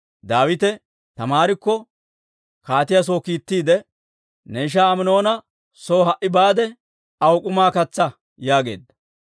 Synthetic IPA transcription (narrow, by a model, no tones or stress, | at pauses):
d̪aːwɪt̪ɛ | t̪ɐmaːɾɪkːɔ | kaːt̪ɪjas̬oːkiːt̪ːiːd̪ɛ | nɛɪʃ̬aːmɪno̞ːnɐ | soːɦɐʔɪbaːd̪ɛ | ɐwʊkʼʊmaːkɐt͡sːɐ | jaːɡe̞̰ːd̪ːɐ̥